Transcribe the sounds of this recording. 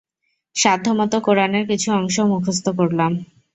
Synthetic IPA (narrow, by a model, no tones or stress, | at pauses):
ʃad̪ʱːomɔt̪okoɾaneɾkit͡ɕʰuɔŋʃomukʰos̬t̪okoɾlam